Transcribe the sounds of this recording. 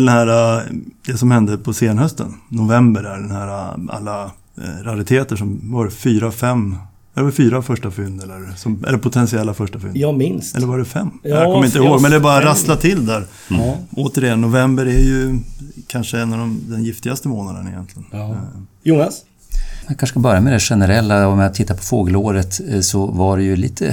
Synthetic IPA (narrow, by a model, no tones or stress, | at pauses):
t̪ʰɪld̪ɛnhæːɾad̪̥ɛsɔmhɛnd̪əpʰɔseːnhœst̪ə̰nːʊvɛmbəɾæɖɛnhæːɾaa̰lːa | ɾaɾɪt̪ʰeːt̪əʂɔmvɑɾfyːɾafɛmː | ɛlːvɾfyːɾafœʂʈafʏnd̪ɛlːəɾsɔmɛ̰lːəɾpʰʊt̪ʰɛnsɪɛlːafœʂʈafʏ̰nɪnsɛ̰lːəɾvɑɖɛfɛmːæɾkɔmːjɪnt̪əɪhoːɡmɛnd̪ɛbɑːɾaɾaslat̪ʰɪld̪æɾ | oːt̪əɾɪjɛnːʊvɛmbəɾɛɾjɵkʰanʂəɛnːavd̪ɔmd̪ɛnjɪft̪ɪɡast̪əmoːnad̪ənɪjɛnt̪lɪɡənjʊnas | jakʰanʂəkabœɾjamɛd̪ɛɧɛnəɾɛlːaɔmɛjat̪ʰɪt̪ːapʰɔ̥foːɡəloːɾət̪sɔvaɖɛjɵlḭːt̪ʰə̰